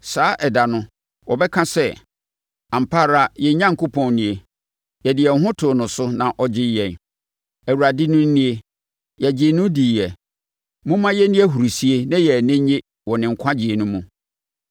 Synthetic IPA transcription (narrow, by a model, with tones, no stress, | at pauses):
saː˨˦ʔɛ˨da˨nʊ̃˦ | wɔ˨bɛ˦kʰã˦sɛ˦ | ã˨m̩˨pʰa˦ɾa˨jɛ˨˦ɲã˦ŋ̩˨kʊ˦pʰɔ̃˨nnĩ˨e˨ | jɛ˨dɪ˨ɛ˨ŋ˨ɦʊ̃˦tʰʊ˨nʊ̃˨sʊ˦nã˨ʔɔ˦d͡ʑɪ˦jɛ̃˨n | æ˨wu˨ɾa˨dɪ˦nʊ̃˦n̩˦nĩ˦e˦ | jɛ˨d͡ʑɪ˨nʊ̃˦diː˨jɛ˨ | mʊ̃˦mã˦jɛ˦nĩ˦ɛ˦ɦu˨ɾu˨si˦e˦nã˦jɛ˨nɪ̃˦ɲɪ̃˦ | wɔ˨nɪ̃˨ŋ̩˨kʷʰã˦d͡ʑi˨e˨nʊ̃˦mũ˨